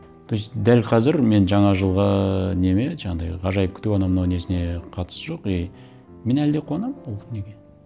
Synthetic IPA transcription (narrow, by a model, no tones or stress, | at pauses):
t̪ʰojsd̪ælqʰɑzɪɾme̞nʒɑɴɑʒəlˠʁɑne̞me̞ʒɑɴɑd̪ɑjʁɑʒɑjəp̚kʲʰɪt̪ewɑnɑmnɑwne̞sɪne̞qʰɑt̪ə̥səʒo̞qej | me̞næld̪e̞qʰoɑnɑmolˠnekʲe